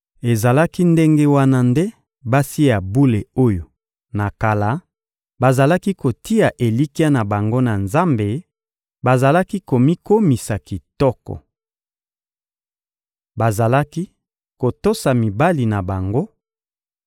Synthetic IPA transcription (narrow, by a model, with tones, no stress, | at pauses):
e˨za˨la˦ki˦nde˦ŋɡe˦wa˦na˦nde˦ | ba˦si˦a˨bu˦le˨o˦jo˨ | na˨ka˨la˨˦ | ba˨za˨la˦ki˦ko˨ti˦ja˨ʔe˨li˦ki˦a˦na˨ba˨ŋɡo˦na˨nza˦mbe˨ | ba˨za˨la˦ki˦ko˨mi˦ko˦mi˨sa˨ki˨tɔ˦kɔ̰˨ | ba˨za˨la˦ki˦ | ko˨to˦sa˨mi˨ba˦li˨na˨ba˨ŋɡo˦